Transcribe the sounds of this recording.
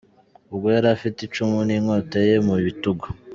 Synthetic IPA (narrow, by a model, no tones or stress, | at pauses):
ubɡwojaɾafitit͡ʃumuniŋoːtejemuβituɡo